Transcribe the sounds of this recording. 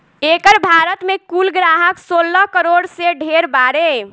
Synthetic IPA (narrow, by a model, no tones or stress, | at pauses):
ekəɾbʱaɾət̪mekulɡɾaɦəksolːəɦkəɾoɽseɖʱeɾbaɾe